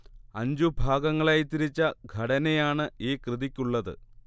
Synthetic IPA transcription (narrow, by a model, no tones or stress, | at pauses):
ɐɲd͡ʑubʱaːɡɐŋːɐɭaːjt̪ːiɾit͡ɕːɐɡʱɐɽɐnejaːɳɨiːkrɨðikʲːuɭːɐðɨ̰